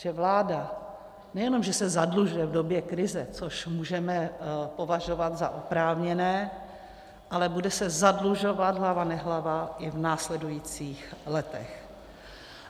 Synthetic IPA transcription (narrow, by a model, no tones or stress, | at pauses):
ʒ̥ɛvlaːda | nɛjɛno̞mʒɛsɛzadluʒujɛvdo̞bjɛkɾɪzɛt͡soʃmuːʒɛmɛpo̞vaʒovat̪zaʔopɾaːvɲɛnɛː | ʔalɛbudɛsɛzadluʒovat̪ɦlavanɛɦlavaʔɪvnaːslɛdujiːt͡siːxlɛt̪ɛ̰x